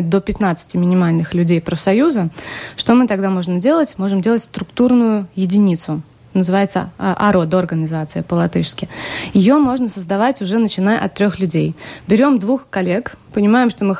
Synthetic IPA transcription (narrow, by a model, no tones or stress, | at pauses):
t̚d̪o̞pʲɪt̪nat̪sɨ̥tʲɪmʲɪnʲɪmalʲnɨxlʲʉdʲejpɾəfsɐjuzəʂt̪o̞mɨt̪ɐɡd̪amo̞ʐnədʲe̞lˠətʲmo̞ʐɨmdʲelˠətʲst̪ɾʊkt̪urnʊjʊjɪdʲɪnʲit̪sʊ | nəzɨvajɪt̪sə̰ʔɐɾod̪əɐrɡənʲɪzat̪sɨjɪpəlˠɐt̪ɨʂskʲɪjɪjo̞mo̞ʐnəsəzd̪ɐvatʲʊʐɛnət͡ɕɪnajə̰ʔɐ̰t̪ːɾʲo̞xlʲʉdʲejbʲɪɾʲo̞md̪vuxkɐlʲe̞k | pənʲɪmajɪmʂt̪o̞mɨ